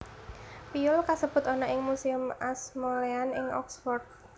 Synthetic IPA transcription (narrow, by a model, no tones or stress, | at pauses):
piʊlkasəb̥ʊ̤t̪ɔnɔʔɪŋmusɪmasmɔleanɪŋɔ̰ksfɔrd̪̚